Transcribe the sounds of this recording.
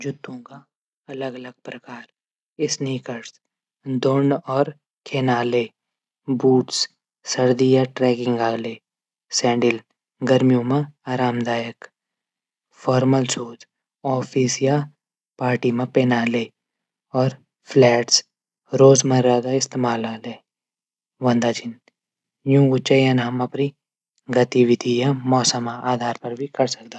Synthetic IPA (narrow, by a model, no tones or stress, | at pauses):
d͡ʒʊt̪ːõka | ɐləɡɐləɡ̚pɾɐkaːɾ | ɪsniːkəɽs | d̪oːɳɖɔːɾ | kʰeːnaːle | buːʈs | səɾd̪ijaʈɾɛːkɪ̃ŋɡaːleː | sɛ̃ːɳɖɪl | ɡəɾmijõmãaːɾaːmd̪aːjək | fʰɔːɾməlsuːt̪ | ɔːpʰisja | paːɾʈimãpeːnaːleː | ɔːɾ | pʰlɛːʈs | ɾoːzmɐ̃ɾɾaɡ̪aɪst̪eːmaːlaːleː | ʋɐ̃nd̪aːt͡ʃɪn | jũŋɡʊt͡ʃajanaːmɐpɾi | ɡɐt̪iʋɪt̪ijamɔːsəmaaːd̪ʱaːɾpɐɾbʱikɐɾsɐk̚d̪aː